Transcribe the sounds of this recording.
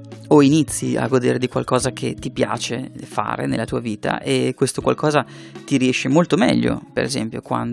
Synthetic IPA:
oinit̪sːia̰ɡod̪eːɾed̪ikwalkɔːzak̟ʰet̪ipja̰ːt͡ʃefa̰ːɾḛnelːat̪uːaviːt̪a̰ʔekːwest̪okwa̰lkʰɔːza | t̪iɾiɛʃemolt̪omɛʎːo̰peɾezɛ̰mpjo̰kwa̰nd̪

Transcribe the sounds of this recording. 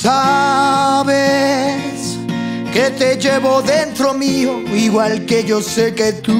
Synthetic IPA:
sa | βe | s | ket̪e̞ʝeβo̞ðent̪ɾo̞mioiɣwalkeʝo̞seket̪u

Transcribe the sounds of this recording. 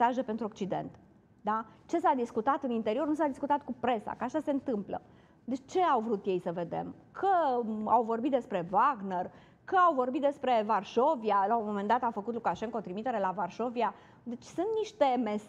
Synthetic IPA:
saʒe̞pe̞nt̪ɾuok̚t͡ʃid̪e̞̰nt̪ | d̪at͡ʃe̞sad̪iskut̪at̪ɨnint̪e̞ɾio̞rnusad̪iskut̪at̪̚kupɾe̞sa̰kəaʃase̞nt̪ɨmplə̰ | d̪et͡ʃt͡ʃe̞awvɾut̪je̞jsəve̞d̪e̞̰m | kʰəawvo̞rbit̪d̪espɾe̞vaɡner | kəawvo̞rbit̪d̪e̞spɾe̞varʃo̞vialaomo̞mend̪at̪afəkut̪lukaʃeŋkot̪ɾimit̪e̞ɾe̞lavarʃo̞via | d̪e̞t͡ʃʲsunt̪niʃt̪e̞me̞s

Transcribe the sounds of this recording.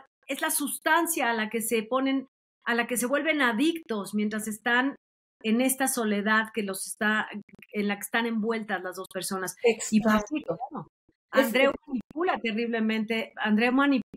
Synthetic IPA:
ezlasust̪ansjaːlake̞se̞po̞ne̞n | alake̞s̬e̞βwe̞lβe̞naðikt̪o̞smjent̪ɾase̞st̪an | e̞ne̞st̪aso̞le̞ðaðkelo̞se̥st̪aenlake̥ːst̪ane̞mbwe̞lt̪azlazðo̞spe̞ɾso̞nasifasio | and̪ɾewmanip̚ulat̪e̞riβle̞mẽ̞nt̪e̞and̪ɾe̞omani

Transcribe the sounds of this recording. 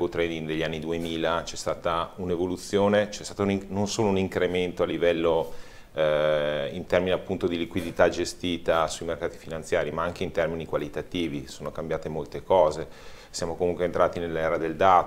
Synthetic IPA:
ot̪ɾed̪iŋd̪eʎːianːid̪uemiːlat͡ʃɛst̪aːt̪aunevolut̪sːjoːnet͡ʃɛst̪aːt̪auninonsoːlouniŋkɾement̪oalːivɛlːo | int̪ɛrminiapːunt̪od̪ilikwid̪it̪ad͡ʒest̪iːt̪asuimerkaːt̪i̥finant̪sjaːɾimaaŋk̟eint̪ɛrminikwalit̪at̪iːvisoːnokambjaːt̪emolt̪ekɔːze | sjaːmokomuŋkwent̪ɾaːt̪inelːɛːɾad̪eld̪aːt̪

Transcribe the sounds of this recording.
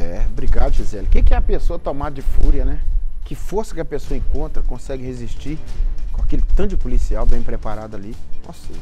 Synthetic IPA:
ɛɛbɾiɡad̪ʊʒizɛlɪkekɪɛɐpesoɐt̪õmad̪ɐd͡ʒɪfuɾiɐnɛkɪfoɾsɐ̥kɪɐpesoɐẽkõnt̪ɾɐkõsɛɡɪheziʃt͡ʃikõakelɪt̪ɐ̃d͡ʒɪpolisiawbẽj̃pɾepaɾad̪ʊalio̰se

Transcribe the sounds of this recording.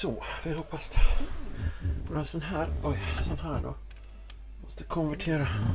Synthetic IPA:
sɔːfɪhɔpːasd̪ɛ | noːɾansɔnɦæːɾɔjsɔnɦæːɖo̰ː | mɔst̪əkʰɔnvæʈʰeːɾa

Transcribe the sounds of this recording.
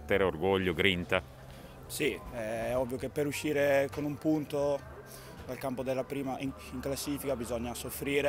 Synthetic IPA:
t̪ːeɾeorɡoʎːoɡɾint̪a | siɛɛɔbvːjokepːeɾuʃːiːɾekonumpunt̪o | d̪alkampod̪elːapɾiːmaʔi | iŋklasːiːfikabizɔɲːasofɾiːɾe

